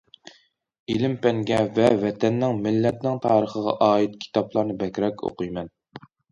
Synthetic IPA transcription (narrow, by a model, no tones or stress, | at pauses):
ilɪmpɛŋɡʲɛvɛvɛt̪ʰɛnːɪŋmɪlːɛt̪nɪŋt̪ʰɑːɾəχəʁɑ̰ʔɑːit̪̚kʲʰi̥t̪ɑplˠɑɾnɨbɛkʲɾɛkʲo̰qɨjmɛn